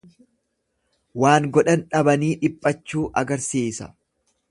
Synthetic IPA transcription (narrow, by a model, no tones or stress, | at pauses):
waːŋɡɔɗɐnᶑɐbɐniːᶑɪpʼːɐt͡ʃːuːʔɐɡɐɾsiːsɐ̰